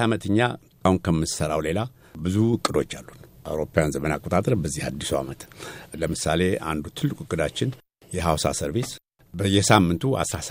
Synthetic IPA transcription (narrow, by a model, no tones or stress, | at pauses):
amət̪ʰəɲːa̰ | kʰahunkʰəmːɨsəɾawle̞la | bɨzuɨkʼːɨd̪o̞t͡ʃːalːunʔa̰wɾo̞pajanzəmənakʼo̞t̪ʼat̪ʼɾbəzːihad̪ːisua̰mət̪ləmɨsale̞a̰nd̪ut̪ʰɨlːɨkʼuɨkʼːɨd̪at͡ʃːɪn | jɛɦawsa̰səɾβis | bəjːɛsamːɨnt̪ʰua̰sɾas